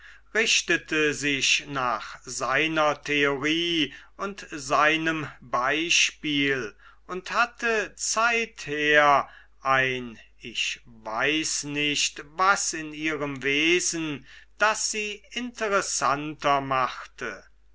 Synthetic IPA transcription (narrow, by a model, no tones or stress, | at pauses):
ʁɪʃtətʰəzɪʃnaːχz̥aɪnɐtʰeoʁiːʊntzaɪnəmbaɪʃpiːl | ʊnthatʰət͡saɪtheːɐ | ʔaɪn | ɪçvaɪsnɪʃtvasɪniːʁəmveːzn̩d̥asz̥iːɪntəʁɛsantɐmaχtʰə̰